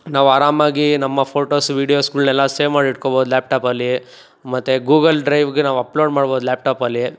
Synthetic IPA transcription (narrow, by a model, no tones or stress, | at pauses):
naːʋuaːɾaːmaːɡinɐmːɐpʰoːʈoːsʋiːɽijoːskuːlnɛlːaseːmaːɖiʈ̚koboːd̪uljaːp̚ʈaːpɐlːi | mɐt̪ːeɡuːɡɐlɖɾɐjʋɡenaːʋuɐploːɖmaːɽboːd̪laːp̚ʈaːpɐlːi